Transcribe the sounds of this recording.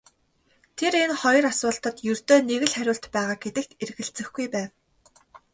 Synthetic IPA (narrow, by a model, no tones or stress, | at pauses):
t̪ʰeɾenχɔjɞ̆rasʊːɬt̪ə̆t̪jɵrt̪oːneɣɘ̆ɮχæɾʲʊːɬt̪pæːʁaːɡet̪ɘ̆k̚t̪erɣɘ̆ɮt͡sɘ̆xɡujpæːw